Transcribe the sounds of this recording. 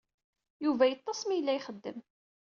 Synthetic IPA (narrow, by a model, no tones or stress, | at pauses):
juvæjət̪ˤːɑsmijəlːæjχəd̪ːə̰m